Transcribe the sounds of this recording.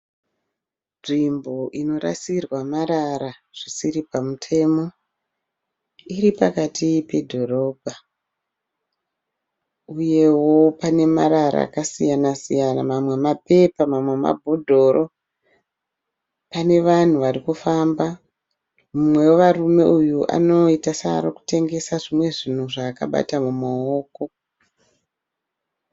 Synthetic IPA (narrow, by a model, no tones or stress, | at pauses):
ʐimbo̞ʔino̞ɾa̰sirwamaɾaɾaʐ̥isiripamutʰe̞mo̞ | iɾipakatʰipe̞dʱo̞ɾo̞ːbʱa | uje̞wo̞pane̞maɾaɾa̰ːkasijanasijanamamwe̞mape̞pamamwe̞ma̰bʱodʱo̞ːrʔo̞ | pane̞ʋan̤uʋarikufamba | mumwe̞weʋarume̞ujuʔa̰no̞itasaɾoku̥te̞ŋɡe̞saʐimwe̞ʐin̤uʐaːka̰ɓa̰tamumaoːko̞